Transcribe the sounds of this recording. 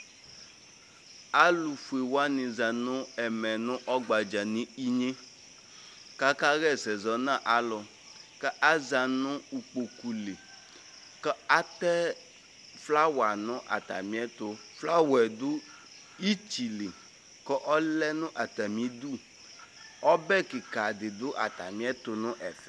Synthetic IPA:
a˦lu˨fu˨e˨wa˦nĩ˨za˨nʊ̃˦ɛ˨mɛ̃˨nʊ̃˦ʔɔ˦ɡ͡ba˨d͡ʒa˨nĩ˦i˦ɲẽ˦ | ka˦ka˦ɣɛ˦˨sɛ˨zɔ˨nã˦˨ʔa˨lɔ˨ | kɛ˦ʔa˦za˨nʊ̃˦u˨k͡po˨ku˨li˨ | kɛ˦a˦t̪ɛ˦ | fla˦wa˨nʊ̃˦ʔa̰˨t̪a̰˨mĩ˦ɛ˦t̪ʊ˦ | fla˦wɛ˨d̪ʊ˦ | i˦t͡ʃi˨li˨ | kɔ˦ʔɔ˦lɛ˦nʊ̃˦ʔa˨t̪a˨mĩ˨˦d̪u˦˨ | ɔ˦bɛ˦ki˨ka˨dɪ˨d̪ʊ˦ʔa˨t̪a̰˨mĩ˦ɛ˦t̪ʊ˨nʊ̃˦ʔɛ˨fɛ˦

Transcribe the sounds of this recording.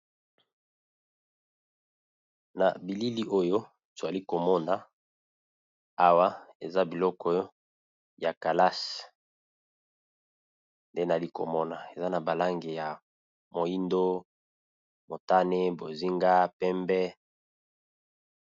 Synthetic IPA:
na̰˨bi˨li˦li˦ʔo˦jo˦ | to˨a˨li˦ko˨mɔ˦na˨ | a˦wa˦e˨za˦bi˨lɔ˦kɔ˦ | ja˨ka˨la˦s | nde˦na˨li˦ko̰˨mɔ˦na˨e˨za˦na˨ba˨la˦ŋɡe˨ja˨ | mo˨i˦ndo˦ | mo˨ta˦ne˦bo˨zi˦ŋɡa˦pɛ˦mbɛ˦

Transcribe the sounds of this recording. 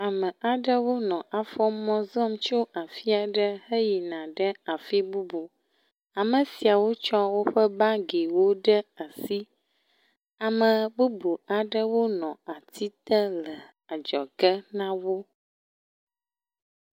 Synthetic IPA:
a˨mə̃˨a˨ɖə˦wo˦nɔ̃˨ʔa˨fɔ˦mɔ̃˦zɔ˦mt͡ʃo˦ʔa˨fi˦a˨ɖə˦hə˦ji˨nã˨ɖə˦a˨fi˦bu˦bu˨ | a˨mə̃˨si˨a˨wo˦t͡ʃɔ˦wo˦ɸə˦ba˦ɡe˨wo˦ɖə˦a˨si˦ | a˨mə̃˨bu˦bu˨a˨ɖə˦wo˦nɔ̃˨a˨t̪ʰi˦t̪ə˦lə˨ | a˨d͡ʒɔ˨ɡə˦nã˦wo˦

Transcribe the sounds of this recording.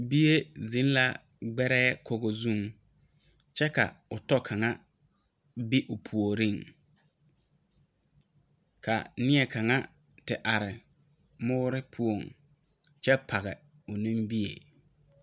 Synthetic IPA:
bi˦je˦zi˦n˦la˦ | ɡ͡bɛ˦ɾɛː˦kʰo˨ɣo˨zu˦˨ŋ | t͡ʃɛ˦ka̰˨ʊ˨tɔ˦kʰa˨ŋa˦ | bi˦ʔʊ˨pʰu˨o˨ɾi˦˨ŋ | kʰa̰˨nɪ˦ɛ˨ka˨ŋa˦ | tɪ˨ʔa˨ɾɪ˨ | mʊː˦ɾɪ˦pʰu˦o˨ŋ | t͡ʃɛ˦pʰa˨ɣɛ̰˨ | ʊ˨nĩ˦mbi˦ḛ˨

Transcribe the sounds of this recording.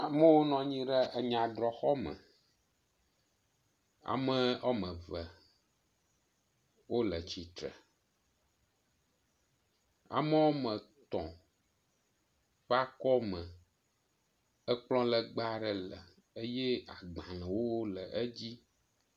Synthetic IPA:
a˨mə̃˦wo˦nɔ̃˨ɲĩ˦ɖə˦ʔə˨ɲã˨d̪ɾɔ˨xɔ˦mə̰̃˨ | a̰˨mə̃˦o˦mə̃˨və˨ | wo˦lə˨t͡ɕi˨t̪ɾə̰˨ | a̰˨mə̃˦wo˦mə̃˨t̪ɔ̃˨ | ɸɛ˦a˦kɔ˦mə˨ | ə˦k͡plɔ̃˦lə˨ɡ͡ba˦ɖə˨lə˨ | ə˦je˦a˨ɡ͡bã˨lɛ̃˨wo˦wlə˨ʔə˦d͡ʑi˦

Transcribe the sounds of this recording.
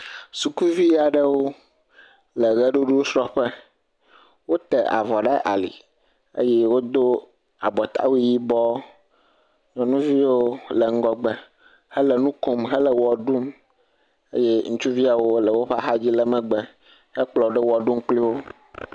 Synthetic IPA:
su˨ku˦vi˦a˨ɖə˦wo˦ | lə˨ɣɛ˦ɖu˦ɖu˦o˦sɾɔ˦ɸə˦ | wo˦t̪ɛ˨a̰˨vɔ˨ɖa˦ʔa̰˨lḭ˨ | ə̰˦jɛ˦wo˦d̪o˦ | a˨bɔ˨t̪ʰa̰˦wu˦ji˦bɔ˦ | ɲɔ̃˨nũ˦vi˦wo˦lə˨ŋ̩˦ɡɔ˦ɡ͡bɛ˨ | hə˦lə˨nũ˦ko˦mɦə˦lə˨wɔ˨ɖu˦m | ə˦jɛ˦ŋũ˦t͡ʃu˦vi˦a˨wo˦lə˨wo˦ɸa˦ɦa˦d͡ʑi˦lə˨mɛ̃˨ɡ͡bɛ˨ | hɛ˦k͡plɔ˨ɖɛ˦wɔ˨ɖu˦mk͡pli˦wo˦

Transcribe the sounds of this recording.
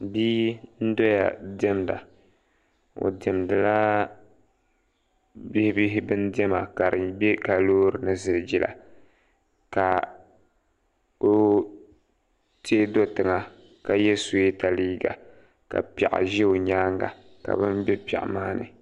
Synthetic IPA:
biː˦n̩˦do˦ja̰˨dɛ˦mda̰˨ | o̰˨dɛ˨mdɨ˨la˦ | bi˦hɪ˦bi˦ɦɪ˦bɨ˦ndɛ˦ma˨ka˨ɾɨ˨bɛ˦ka˨loː˦ɾɨ˨nɨ˦zɨ˨ld͡ʒi˦la̰˨ | ka˨ | o˦ | teː˦do˦tɨ˨ŋa˨ | ka˨jɛ˦so˨˦e˦ta˨liː˦ɡa̰˨ | ka̰˨pɛ̰˨ʔɪ̰˨ʒɛ˦o˨ɲaː˦ŋɡa̰˨ | ka̰˨bɨ˦nbɛ˦pɛ̰˨ʔa̰˨maː˦nɨ̰˨

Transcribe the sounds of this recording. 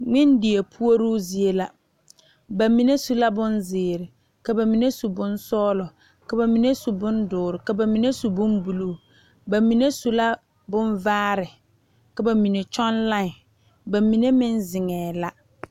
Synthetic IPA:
ŋɪ˦ndɪ˨e˨pʰu˦o˦ɾuː˦zi˨e˦la˨ | ba˨mi˨˦ne˦su˦la˦bʊ˦nzɪː˨ɾɪ˨ | ka˨ba˨mi˨ne˦su˨bʊ˦nsɔː˦lɔ˨ | ka˨ba˨mi˨ne˦su˨bʊ˦ndʊː˨ɾɪ˨ka˨ba˨mi˨ne˦su˨bʊ˦mbu˨lu˦˨ | ba˨mi˨ne˦su˨la˦ | bʊ˦nvaː˦ɾɪ˨ | ka˨ba˨mi˨ne˨t͡ʃɔ˦nla˦ɪ˨ | ba˨mi˨ne˦mɪ˦nzɪ˨ŋɛː˨la˦

